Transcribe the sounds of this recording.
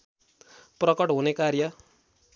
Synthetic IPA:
prʌkʌʈɦunekaɾjʌ

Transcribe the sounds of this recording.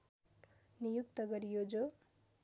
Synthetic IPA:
nijukt̪ʌɡʌɾijod͡zo

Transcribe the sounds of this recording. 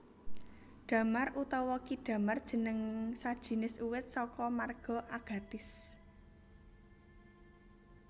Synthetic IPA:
ɖ̥ä̤marʔut̪ɔwɔkiɖ̥ä̤mard̥ʒ̥ə̤nəŋsad̥ʒ̥i̤nɪsuwɪt̪̚sɔkɔmarɡ̥ɔ̤ʔaɡ̥a̤b̥ɪs

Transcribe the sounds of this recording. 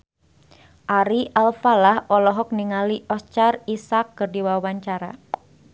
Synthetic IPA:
ʔaɾiʔalfalahɔlɔɦɔk̚niŋaliʔɔst͡ʃarisakːɨrdiwawaɲt͡ʃaɾa̰

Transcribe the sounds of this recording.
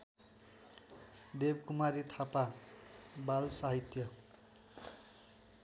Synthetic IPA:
d̪ebkumaɾit̪ʰapa | balsaɦit̪jʌ

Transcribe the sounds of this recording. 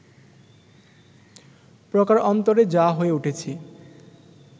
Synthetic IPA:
pɾokaɾɔnt̪oɾed͡ʑaɦoeuʈʰet͡ɕʰi

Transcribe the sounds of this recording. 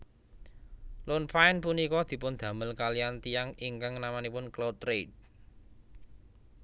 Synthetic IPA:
lʊnpaɪnpunikɔd̪̥i̤pʊnd̪̥ä̤məlkalijant̪ijaŋiŋkaŋnamanipʊnklot̪ɾed̚

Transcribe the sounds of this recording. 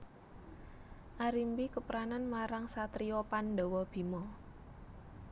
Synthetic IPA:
ʔaɾimbikəpɾananmaɾaŋsat̪ɾiɔpanɖɔ̤wɔb̥i̤mɔ

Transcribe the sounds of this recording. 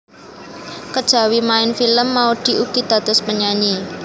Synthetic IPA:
kəd̥ʒ̥a̤wimaɪnfiləmːaud̪̥i̤ʔuɡ̥id̪̥a̤t̪ʊspəɲaɲi

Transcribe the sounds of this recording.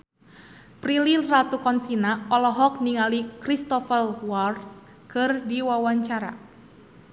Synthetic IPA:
pɾilirat̪ukɔnsinaɔlɔɦɔk̚niŋalikɾist̪ɔfəlwards | kʰɨrdiwawaɲt͡ʃaɾa̰

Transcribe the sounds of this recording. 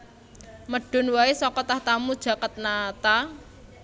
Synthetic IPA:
məɖ̥o̤nwaesɔkɔt̪aht̪amud̥ʒ̥ä̤kət̪̚nat̪a

